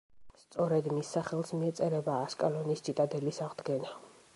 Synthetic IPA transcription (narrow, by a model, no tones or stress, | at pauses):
st̪sʼɔɾɛd̪misːaχɛlˠsmiɛt̪sʼɛɾɛbaːskʼalɔnisdd͡ʒit̪ʼad̪ɛlisaʁd̪ɡɛna